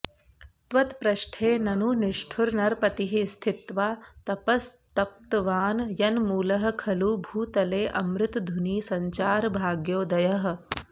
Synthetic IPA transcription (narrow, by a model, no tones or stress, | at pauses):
t̪ʋɐt̪pɾɐʃʈʰeːnɐnuniʂʈʰuɾnɐɾpɐt̪iɦist̪ʰit̪ʋaːt̪ɐpɐst̪ɐp̚t̪ʋaːnjɐnmuːlɐɦɐ̆kʰɐluːbʱuːt̪ɐleːʔɐmɾɪt̪d̪ʱuniːsɐɲt͡ʃaːɾbʱaːɡjoːd̪ɐjɐɦɐ̆